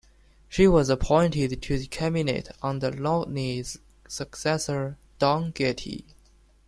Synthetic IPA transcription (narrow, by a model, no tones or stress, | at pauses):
ʃiwʌzəpʰɔ̃ɪ̃ntɪd̚tʰɨðikʰæminḛɪtn̩ðəlɔʔniz | səksɛsə˞ | d̥ɔ̃ŋɡɛtʰḭ